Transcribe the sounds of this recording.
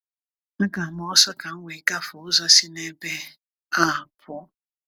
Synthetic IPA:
na˦ka˨mɔ˦ɔ˦sɔ˦ka˨ŋ̩˦ŋʷe˨ka˦fʊ˨ʊ˦za˦si˦ne˦be˦ | a˦˨pʰʊ˦

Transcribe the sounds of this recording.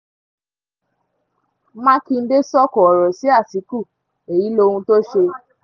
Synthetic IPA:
mã˦ki˧n̩˦de˦sɔ˦kɔ˨ɔ˨ɾɔ˨si˨˦a˦˨si˨˦ku˦˨ | e˨ji˨˦lo˧hũ˧to˦ʃe˧

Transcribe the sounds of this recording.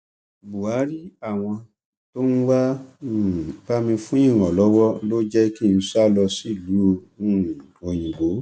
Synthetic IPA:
bu˨a˨˦ɾi˦a˦˨w̃ɔ̃˧ | to˦n̩˦wa˦˨ | ba˦mĩ˧fũ˦ĩ˦˨ɾ̃ɔ̃˨lɔ˨˦wɔ˦lo˦d͡ʒɛ˦ki˦˨n̩˧sa˦lɔ˧si˦˨lũ˨˦˨ | o˨j̃ĩ˨ɡ͡bo˨˦

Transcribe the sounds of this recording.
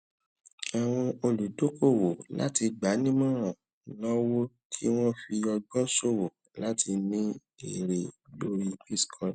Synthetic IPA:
a˨w̃ɔ̃˧o˧lu˨do˨˦ko˦˨wo˨la̰˦ti˧ɡ͡ba˨˦nĩ˦mɔ̃ː˦˨ɾ̃ɔ̃˨ | lɔ˦wo˦ | kʰi˦w̃ɔ̃˦fi˧ɔ˧ɡɔ̃˦so˦˨wo˨ | la˦ti˧nĩ˦ | ḭ˨ɾe˨bo˧ɾi˧pi˦skʰɔ̃˧

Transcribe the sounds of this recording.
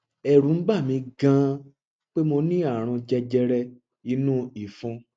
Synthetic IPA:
ɛ˨ɾũ˨˦n̩˦ɡ͡ba˦˨mĩ˧ɡã˨˦ | k͡pe˦mo˧nĩ˦a˦˨ɾ̃ɔ̃˧d͡ʒɛ˧d͡ʒɛ˧ɾɛ˧ | i˧˦nũ˦i˦˨fũ˧

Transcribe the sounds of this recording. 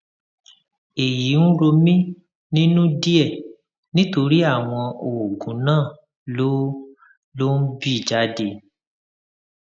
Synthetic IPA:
e˨jii˨˦n̩˦ɾo˧mĩ˦ | nĩ˦nũ˦di˦ɛ˦˨ | nĩ˦to˧ɾi˦a˦˨w̃ɔ̃˧o˨ɡũ˨˦nãː˦˨ | lo˦ | lo˦n̩˦bi˦˨d͡ʒa˦de˧

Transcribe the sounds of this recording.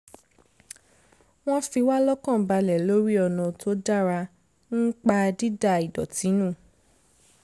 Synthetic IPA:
w̃ɔ̃˦fi˧wa˦lɔ˦kɔ̃˦˨ba˧lɛ˨lo˦ɾi˦ɔ˧nɔ̃˧tʰo˦da˦˨ɾa˧ | n̩˦k͡pa˧di˦da˦˨i˨dɔ̰˨tĩ˨˦nũ˦˨

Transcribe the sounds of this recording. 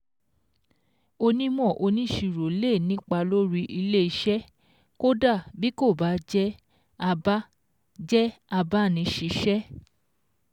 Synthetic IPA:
o˧nĩ˦mɔ̃˦˨ʔo˧nĩ˦ʃi˨˧˨ɾo˨˦le˦˨nĩ˦k͡pa˧lo˦ɾi˦˧ʔi˧le˦i˧ʃɛ˦ | ko˦da˦˨bi˦ko˦˨ba˨˦d͡ʒɛ˦ | a˧ba˦ | d͡ʒɛ˦a˧ba˦˨nĩ˨˧ʃi˨˧ʃɛ˦

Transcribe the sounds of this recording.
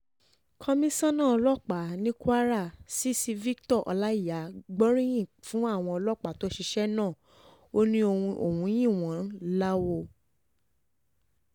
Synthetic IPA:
kʰɔ˧mĩ˦sã˦nãː˦˨˧lɔ˦k͡pa˨˦nĩ˦kwa˦ɾa˦˨si˦si˧vi˦ktɔ˦˨ʔɔ̰˧la˦i˦˨ja˨˦ɡ͡bɔ˦ɾ̃ĩ˦j̃ĩ˦˨fũ˨˦a˦˨w̃ɔ̃˧ɔ˧lɔ˦˨k͡pa˨to˨˦ʃi˧ʃɛ˦nãː˦˨ | o˦nĩ˦o˧o̰˨hũ˨˧˦j̃ĩ˦˨w̃ɔ̃˨˦la˦wo˧

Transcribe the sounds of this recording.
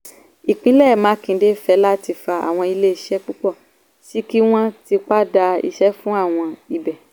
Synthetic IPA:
i˨k͡pĩ˨˦lɛ˦˨mãː˨˦kĩ˧˨˦de˦fɛ˨˦la˦ti˧fa˧a̰˨w̃ɔ̃˧i˧le˦i˦˨ʃɛ˦k͡pu˦k͡pɔ˦˨ | si˦ki˦w̃ɔ̃˦ti˧k͡pa˦da˧ḭ˧ʃɛ˦fũ˦a˦˨w̃ɔ̃˧i˧bɛ˨

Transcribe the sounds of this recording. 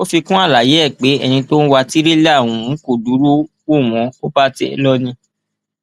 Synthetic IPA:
o˦fi˧kũ˦a˦˨la˨je˨˦ɛ˦˨k͡pe˨˦ɛ˧nĩ˧to˦n̩˦wa˧ti˦ɾe˦le˦a˦˨wũ˨˦ko˦˨du˨˦ɾu˦ | wo˦˨w̃ɔ̃˨˧o˦ba˦te˧˦ɛ̰˧lɔ˦nĩ˧

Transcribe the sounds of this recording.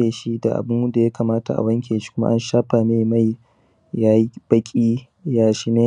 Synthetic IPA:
eː˨ʃi˦da̰˨ʔa̰˨bʊ˦n˦da˨jaː˦kaː˨maː˦ta̰˨ʔa̰˨wɐ˦ŋkʲʰeː˨ʃi̥˦kʷʊ˦ma̰˦ʔa˦nʃaː˦ɸa˨meː˦˨ma˦˨j | ja˦b̥ɐ˦kʲʼiː˦ | jaː˦ʃi˦neː˦

